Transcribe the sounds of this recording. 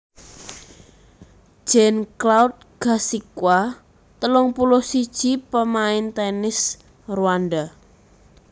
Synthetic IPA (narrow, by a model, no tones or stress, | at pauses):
ʒ̥ɛnklaut̪̚ɡ̥a̤sikwa | t̪əlɔŋpulɔhsid̥ʒ̥i̤pəmaɪnt̪ɛnɪs | ruand̪a